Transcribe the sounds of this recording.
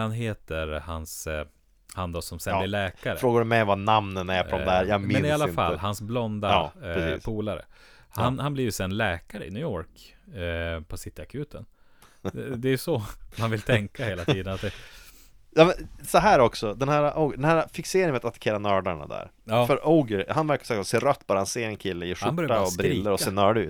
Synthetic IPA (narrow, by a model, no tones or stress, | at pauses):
anɦeːt̪əɾhans | hand̪ɔsɔmsɛnːɪɭɛːkaɾəfɾoːɡaɖɵmɛjɔmvanamnənæɾpɔd̪ɔd̪æɾjamɪɛnnɪalːafa̰lːhansblɔnd̪asḭːspʰuːlaɾə̰ | hanhanbliːjsɛnlɛːkaɾəɪ̰nʉːjɔɾk | pʰɔsɪt̪ːəakʰʉːt̪ʰən | d̪ɛːjɵsɔmanvɪlt̪ʰɛŋkaheːlat̪iːd̪ənat̪̚d̪ɛ | jɑːmɛnsɔɦæːɾɔksɔd̪ɛnhæːɾaʔoɡəɖɛnhæːɾafɪkseːɾɪŋmɛat̪at̪ḁkʰeːɾanœːɖaɳa̰d̪æ̰ːɾjɑːfœɾʔɔːɡəɾhanvæɾkaɾsœːkseːɾœt̪ːbɑːɾhanseːɾɛnkʰɪlːəjeːʂhaanbœɾjaːaɔbɾɪiːlːəɾɔseːnœːɖʉ̰ːt̪